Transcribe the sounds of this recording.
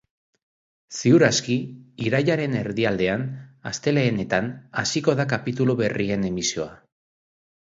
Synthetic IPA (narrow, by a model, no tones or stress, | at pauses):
siuɾaskiiɾajaɾe̞ne̞ɾðiald̪e̞ana̰st̪e̞le̞ːne̞t̪anasiko̞ðakapit̪uluβe̞rie̞ne̞misio̞a